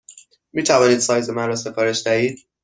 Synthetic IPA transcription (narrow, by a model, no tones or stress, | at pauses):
miːt̪ʰævɒːniːd̪sɒːjzemænɾɒːse̞fɒːɾeʃd̪æhiːd̪̥̚